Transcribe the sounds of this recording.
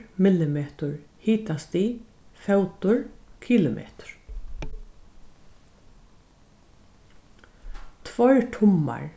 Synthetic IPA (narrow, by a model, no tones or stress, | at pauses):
mɪlɪmeːt̪ʊɹhiːt̪ast̪iː | fɛwt̪ʊɹkʰiːlʊmʔḛːt̪ʊ̥ɹ̥ | t̪ʰvɔɹt̪ʰʊmːa̰ɹ